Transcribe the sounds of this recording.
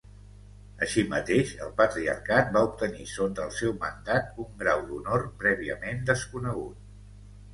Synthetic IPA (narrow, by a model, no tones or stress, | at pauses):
əʃimə̰t̪eʃə̰lˠpət̪ɾiə̰rkat̪̚baup̚t̪ənisont̪əlˠsɛwmənd̪at̪uŋɡɾawd̪unorpɾɛβ̞iə̰mend̪əskunəɣ̞ut̪̚